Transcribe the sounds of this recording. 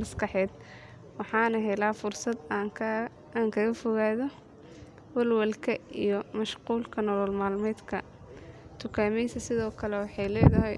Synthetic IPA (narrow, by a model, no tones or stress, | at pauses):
mɐskɑħɛːd̪ | wɑħɑːnɐɦɛlaːfʊrsɐd̪ | aːŋkʰɐɣɐfɔɣaːðɔ | wɐlwɐlkʰɐijɔmɐʃquːlkʰɐnɔlɔlmaːlmɛːd̪kʰɐ | t̪ʰʊkʰaːmɛjsɐsɪðɔːkʰɐlɛwɑħɑjlɛːðɐɦɛj